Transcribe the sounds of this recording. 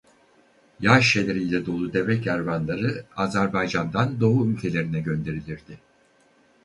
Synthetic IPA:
jaʃːe̞d̪ʲeɾijlʲɛd̪o̞lˠud̪e̞vɛcjaɾvanlˠaɾɯazæɾbajd͡ʒand̪and̪o̞uylʲcʰe̞lʲe̞ɾinɛɟø̞nd̪e̞ɾilʲiɾd̪̥ɪ

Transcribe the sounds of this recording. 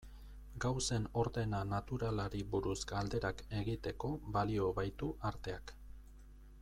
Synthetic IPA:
ɡawse̞no̞ɾd̪e̞nanat̪uɾalaɾiβuɾuzɡald̪e̞ɾake̞ɣit̪e̞ko̞βalio̞βajt̪uʔaɾt̪e̞ak

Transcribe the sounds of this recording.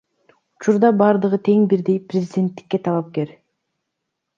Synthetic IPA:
ut͡ʃuɾd̪ɑbɑɾd̪ɯʁɯt̪ʰe̞ŋbiɾd̪ejprʲɪzʲidʲe̞nt̪ːi̥kːe̞t̪ʰɑlˠɑp̚ke̞ɾ

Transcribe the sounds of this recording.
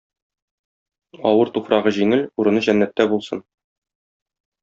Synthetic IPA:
ɒ̰wɤɾt̪ufɾɑʁɤʑiŋɘluɾɤ̆nɤʑænːæt̪ːæbulˠsɤn

